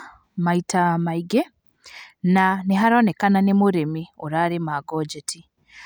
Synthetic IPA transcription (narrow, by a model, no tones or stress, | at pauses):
maitamaiɡe | naneɦaɾɔnɛkananemoɾemioɾaɾemaɡɔd͡ʒɛtʰi